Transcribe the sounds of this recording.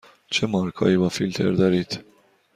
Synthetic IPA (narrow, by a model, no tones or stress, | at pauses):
t͡ʃɛmɐɾkʰɐ̰iːwɐfilt̪ʰɛ̰ɾd̪ɐɾit̪